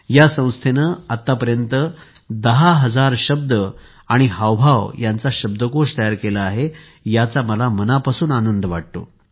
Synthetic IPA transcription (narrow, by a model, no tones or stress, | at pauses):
jasə̃w̃st̪ʰenəat̪ːapəɾjənt̪ə | d̪əɦaɦəd͡zaɾɕəb̚d̪ə | aɽ̃iɦaʋbʱaʋjant͡saɕəb̚d̪əkoʂt̪əjaɾkelaːɦe | jat͡saməlamənapasuːnanənd̪ʱʋaɽ̚t̪o̰